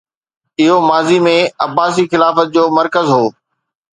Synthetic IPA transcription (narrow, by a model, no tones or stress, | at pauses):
ɪɦomaːzimẽɐbaːs̬ixɪlaːfət̪̚d͡ʑoːmɐɾkəzɦoː